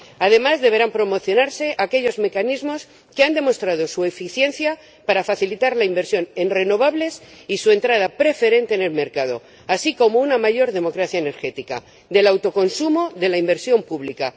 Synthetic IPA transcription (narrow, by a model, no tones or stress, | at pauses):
að̞e̞mazðe̞β̞e̞ɾampɾo̞mo̞θjo̞naɾse̞ʔake̞ʎo̞zme̞kanizmo̞s | keand̪e̞mo̞st̪ɾað̞o̞sue̞fiθje̞nθja | paɾafaθilit̪aɾlaimbe̞ɾsjo̞ne̞nre̞no̞β̞aβle̞sisue̞nt̪ɾað̞apɾe̞fe̞ɾe̞nt̪eːne̞lme̞ɾkað̞o̞̰ | asikomounamaʝo̞ɾðe̞mo̞kɾaθjaene̞ɾxe̞t̪ika̰ | d̪e̞lawt̪o̞ko̞nsumoðe̞laimbeɾsjo̞mpuβlika